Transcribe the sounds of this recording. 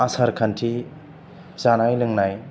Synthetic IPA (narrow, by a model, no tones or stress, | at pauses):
asaɾkʰantʰi | zanajlɯŋnaj